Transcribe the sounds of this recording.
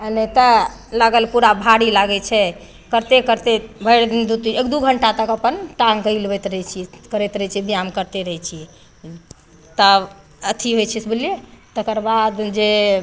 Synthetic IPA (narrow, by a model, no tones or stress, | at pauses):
ənɛt̪ə | laɡəlpuɾabʱaɽilaɡɛt͡ʃʰɛ | kəɾt̪ekəɾt̪ebʱəjɽd̪ind̪ut̪ekd̪uɡʱəɳʈat̪əkəpənʈaŋkəilbɛt̪ɾɦt͡ʃʰiɛkəɾɛt̪ɾɛt͡ʃʰiɛbʱijamkəɾt̪eɾəɦɛt͡ʃʰiɛ | t̪ə | ət̪ʰiɦojt͡ʃʰɛsbiliet̪əkəɾbad̪d͡ʒe